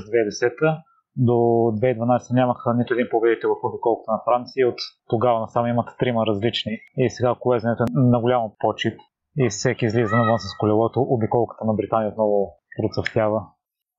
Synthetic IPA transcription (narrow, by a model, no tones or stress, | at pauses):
zd̪vɛd̪ɛsɛt̪ə | d̪od̪vɛid̪vɐnajsɛ̥t̪ənʲaməxənit̪ʊɛd̪inpovɛd̪it̪ɛvɐfobikɔlˠkə̥t̪ənɐfɾant̪siəot̪ːoɡavənɐsamimɐt̪t̪ɾimɐɾɐzlit͡ʃniisɛɡakʊlɛzɛnɛt̪oɛnɐɡʊlʲamɐpɔt͡ʃit̪ | isɛkʲiːzlizɐnvənsəskʊlʲɛlˠɔt̪oʔːbikɔlˠkə̥t̪ənɐbɾit̪anijəot̪̚nɔvʊ | pɾot̪səft̪ʲjavə